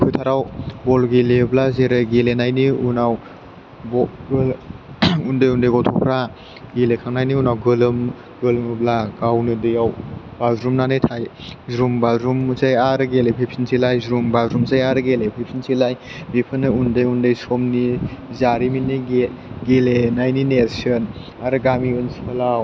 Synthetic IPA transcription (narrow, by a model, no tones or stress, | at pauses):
kʰujtʰaɾawbɔlɡileblazeɾɯɡelenajniunaw | bɔɡɯl | undɯjundɯjɡawtʰɔpʰɾa | ɡelekʰaŋnajniunawɡɯlɯm | ɡɯlmɯblaɡawnɯdɯjawbazɾumnanɯjtʰajzɾumbazɾumt͡ʃajaɾɯɡelepʰepʰsinsʰilajzɾumbazɾumt͡ʃajaɾɯɡelepʰepʰinsilaj | bipʰɯnɯundɯjundɯjsomnizaɾiminiɡeɡelenajninesɯn | aɾɯɡamiɯnsipʰalaw